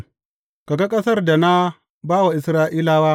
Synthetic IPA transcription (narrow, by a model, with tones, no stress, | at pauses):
ka˨ɡa˦kʼɐ˦sɐ˦rda˨na˦ | baː˦wa˨ʔɪ˨sɾaː˦ʔiː˦laː˦waː˦